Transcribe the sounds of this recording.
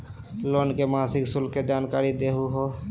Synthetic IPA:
loːnkemaːsɪksʊlkːed͡ʒaːnkaːɾid̪eːɦuɦoː

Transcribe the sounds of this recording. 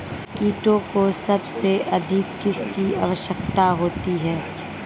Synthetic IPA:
kiːʈõkosɐbseʔɐd̪ʱɪkːɪskia̰ːʋəʃjəkt̪aɦoːt̪iɦɛː

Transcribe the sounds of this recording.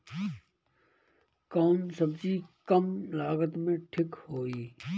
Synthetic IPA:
kaːnsəbzikəmlaːɣət̪mẽʈʰɪkhoːiː

